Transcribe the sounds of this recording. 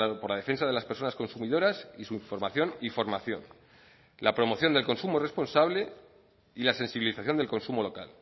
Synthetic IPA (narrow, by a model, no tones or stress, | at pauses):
poɾlaðe̞fe̞nsaðe̞laspe̞ɾso̞nasko̞nsumiðo̞ɾasisuiɱfo̞ɾmaθjo̞nifo̞ɾmaθjo̞̰n | lapɾo̞mo̞θjond̪elko̞nsumore̞spo̞nsaβle̞ | ilase̞nsiβiliθaθjo̞nd̪elko̞nsumolo̞ka̰l